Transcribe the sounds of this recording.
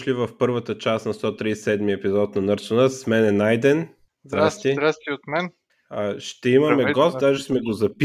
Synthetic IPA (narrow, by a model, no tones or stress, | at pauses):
ʃlivɐfpɤɾvət̪ət͡ʃasnɐst̪ɔt̪ɾissɛd̪miɛpizɔt̪nɐnɤɾsənəsmɛnɛnajd̪ɛn | zd̪ɾast̪iɾat̪iot̪mɛn | əʃt̪ɛimɐmɛɡɔst̪̚d̪aʒɛsmɛɡozɐpi